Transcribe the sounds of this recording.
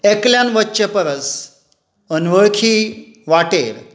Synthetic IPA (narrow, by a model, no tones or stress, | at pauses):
ekljanʋətːɕəpəɾəs | ənʋəɭkʰiː | ʋaʈḛɾ